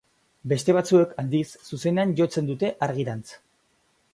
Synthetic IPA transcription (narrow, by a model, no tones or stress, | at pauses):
be̞st̪e̞β̞at͡sue̞kʰald̪isːuse̞ne̞anʝo̞t͡se̞nd̪ut̪e̞ʔaɾɣiɾant͡s